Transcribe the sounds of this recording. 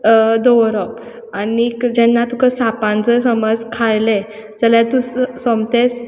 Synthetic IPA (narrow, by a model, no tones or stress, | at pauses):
d̪ɔʋɾɔp | anikd͡ʑɛnːat̪ukəsapãnt͡səsəməd͡zkʰajle | d͡zəljat̪ũsɔmt̪es